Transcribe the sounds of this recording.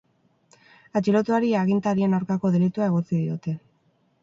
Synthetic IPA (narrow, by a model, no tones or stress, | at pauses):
at͡ʃilot̪uaɾiaːɣint̪aɾienawɾkako̞ðelit̪uae̞ɣ̞o̞t͡siðio̞t̪e̞